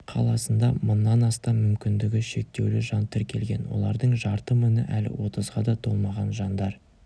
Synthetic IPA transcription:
qʰɑ̰lˠɑsənd̪ɑmənːɑnɑst̪ɑmʏmkʲɪnd̪ɪɡʲɪʃe̞k̚t̪e̞wlɪʒɑnt̪ʰɪɾkʲʰe̞̰lɡʲe̞nwo̞̰lˠɑ̰ɾd̪əɴʒɑɾt̪əmʏnɪʔælɪ̰wo̞t̪əzʁɑd̪ɑt̪ʰo̞lˠmɑʁɑnʒɑnd̪ɑɾ

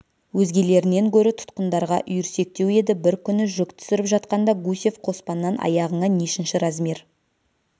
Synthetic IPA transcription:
wɵzɡʲe̞le̞ɾɪne̞ŋkʲʰɵɾɪt̪ʰʊ̥t̪qənd̪ɑɾʁɑʔʏjʏɾse̞k̚t̪e̞we̞d̪ɪbɪɾkʲʰʏnɪʒʏkt̪ʰʏ̥sɪɾɪpʒɑt̪̚qɑnd̪ɑɡusʲe̞fqʰo̞spɑnːɑnʔɑ̰jɑʁəɴɑne̞ʃɪnʃɪɾɑzmiɾ

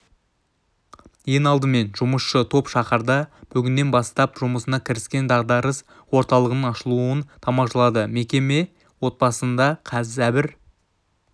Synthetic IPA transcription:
je̞nɑlˠd̪əme̞nʒʊməsʃət̪ʰo̞pʃɑχəɾd̪ɑb̥ʏɡʲɪnːe̞nbɑst̪ɑpʒʊməsənɑkʲʰɪɾɪskʲe̞nd̪ɑʁd̪ɑɾəs | wo̞ɾt̪ɑlˠəʁənəɴɑʃəlˠuənt̪ʰɑmɑʃɑlˠɑd̪əme̞kʲe̞me̞ | wo̞t̪̚bɑsənd̪ɑqʰɑzæbɪɾ

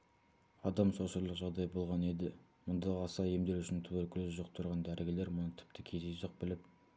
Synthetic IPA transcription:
ɑd̪ɑmsoʃəɾlˠəqʒɑʁd̪ɑjbo̞lˠʁɑne̞d̪ɪ | mʊnd̪ɑʁɑsɑjemd̪e̞ɾʏʃɪnt̪ʰʊβɵlkʲʰɪlɪzʒoq̚t̪ʰʊɾʁɑnd̪æɾɪɡʲɪle̞ɾmʊnət̪ʰɪ̥p̚t̪ʰɪkʲʰe̞zeʒoq̚bɪlɪp̚

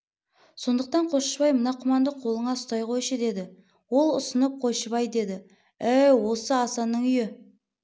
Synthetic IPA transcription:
so̞nd̪əq̚t̪ɑɴqʰo̞ʃəbɑjmənɑqʰʊmɑnd̪əqʰo̞lˠəɴɑst̪ɑjqʰo̞jʃəd̪e̞d̪ɪ | wo̞lˠʊsənəp̚qʰo̞ʃəβɑjd̪e̞d̪ɪ | æjwo̞səɑsɑnːəɴʏjɪ

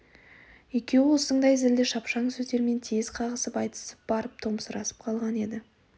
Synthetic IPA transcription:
je̞kʲe̞wɪwosəɴd̪ɑjzɪld̪ɪʃɑpʃɑɴsɵzd̪e̞ɾme̞nt̪ʰez̥qʰɑʁəsəpɑjt̪ə̥səp̚b̥ɑɾəp̚t̪ʰo̞məsəɾɑsə̥p̚qʰɑlˠʁɑne̞d̪ɪ

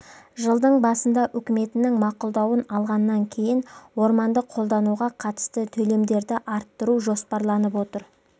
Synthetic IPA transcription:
ʒəlˠd̪əɴbɑsənd̪ɑʔʏkʲɪme̞t̪ɪnɪŋmɑqʊlˠd̪ɑwənɑlˠʁɑnːɑŋkʲʰe̞jɪnwo̞ɾmɑnd̪əqʰːo̞lˠd̪ɑnuʁɑqʰɑt̪ə̥st̪ət̪ʰɵle̞md̪e̞ɾd̪ɪʔɑɾt̪ːəɾuʒo̞spɑɾlˠɑnəpwo̞t̪əɾ

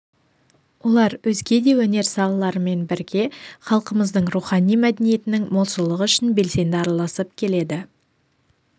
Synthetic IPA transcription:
wo̞lˠɑɾwɵzɡʲe̞d̪e̞wɵne̞ɾsɑlˠɑlˠɑɾəme̞nbɪɾɡʲe̞χɑlˠqəməzd̪əɴɾuχɑnijmæd̪enije̞t̪ɪnɪŋmo̞lˠsəlˠəʁəʏʃɪnbe̞lse̞nd̪ɪɑɾɑlˠɑsəp̚kʲʰe̞le̞d̪ɪ

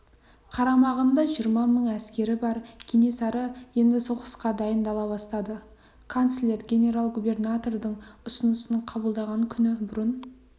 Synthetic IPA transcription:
qʰɑɾɑmɑʁənd̪ɑʒijəɾmɑməɴæskʲe̞ɾɪbɑɾkʲʰene̞sɑɾəje̞nd̪ɪso̞qə̥sqɑd̪ɑjənd̪ɑlˠɑbɑst̪ɑd̪ə | kʰont̪slʲeɾɡʲe̞nʲe̞ɾalˠɡube̞rnat̪o̞rd̪əɴʊsənəsənəɴqʰɑbəlˠd̪ɑʁɑŋkʲʰʏnɪbʊɾən

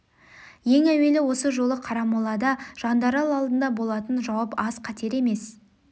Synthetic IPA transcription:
je̞ŋæwe̞lɪwo̞səʒo̞lˠəqʰɑɾɑmulˠɑd̪ɑʒ̥ɑnd̪ɑɾɑlˠɑlˠd̪ənd̪ɑbo̞lˠɑt̪ənʒɑwɑpɑzqʰɑt̪ʰe̞ɾe̞me̞s

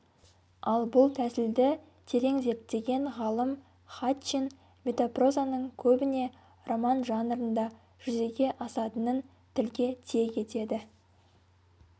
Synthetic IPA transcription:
ɑlˠbʊlˠt̪ʰæsɪld̪ɪ | t̪ʰe̞ɾe̞ŋze̞ɾt̪ːe̞ɡʲe̞ŋʁɑlˠəm | χat̪t͡ʃin | mʲe̞t̪opro̞zanəɴkʲʰɵbɪne̞ | ro̞mɑnʒɑnɾənd̪ɑ | ʒ̥ʏze̞ɡʲe̞ʔɑsɑt̪ənən | t̪ʰɪlɡʲe̞t̪ʰe̞kʲʰe̞t̪e̞d̪ɪ

